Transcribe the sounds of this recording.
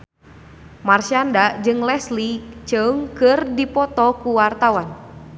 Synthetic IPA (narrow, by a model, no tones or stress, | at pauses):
marʃiandad͡ʒɨŋlɛslit͡ʃəŋkɨrdipɔt̪ɔkuwart̪awan